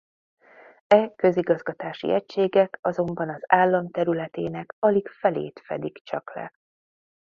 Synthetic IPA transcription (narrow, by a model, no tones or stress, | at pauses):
ɛkø̞ziɡɒzɡɒt̪aːʃḭʔɛcʃeːɡɛkɒzo̞mbɒnɒzaːlːɒmt̪ɛɾylɛt̪eːnɛkɒlikfɛlḛːt̪fɛ̰d̪ikt͡ʃɒklɛ̰